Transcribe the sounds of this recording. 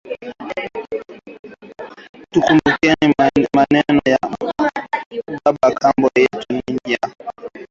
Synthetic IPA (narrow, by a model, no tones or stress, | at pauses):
tukumbukɛnimanɛnɔja | ɓaɓakambɔjɛtuɲiɲd͡ʒa